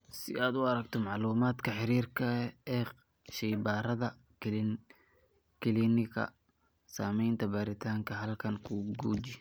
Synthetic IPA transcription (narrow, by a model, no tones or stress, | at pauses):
sɪ̰aːd̪ʊɐɾɐɡ̚t̪ʰɔmɑʕluːmaːd̪kʰɐħɪɾiːrkʰɐɛː | ʃɛjbaːɾɐðɐ | kʰɪlinɪkʰɐ̰ | saːmɛjnt̪ʰɐbaːɾɪt̪ʰaːŋkʰɐɦɐlkʰɐŋkʰʊɡuːd͡ʒɪ